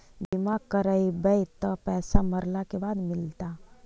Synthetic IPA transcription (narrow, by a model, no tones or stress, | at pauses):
bimakəɾəjbəjt̪əpɛsaməɾlakebad̪milt̪a